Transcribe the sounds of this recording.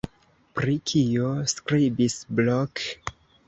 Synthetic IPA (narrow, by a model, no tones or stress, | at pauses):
pɾikʰioskɾibisblok